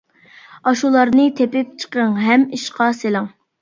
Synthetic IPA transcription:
ɑʃulˠɑɾnɨt̪ʰepɪp̚t͡ʃʰə̥qəŋɦɛmiʃqɑselɪŋ

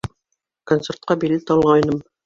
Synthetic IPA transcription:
kont̪sert̪̚qɑbilːɘt̪ɑlˠʁɑjnɤm

